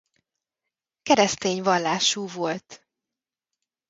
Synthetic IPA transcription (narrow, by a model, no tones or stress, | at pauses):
kɛɾɛst̪eːɲvɒlːaːʃuːvo̞lt̪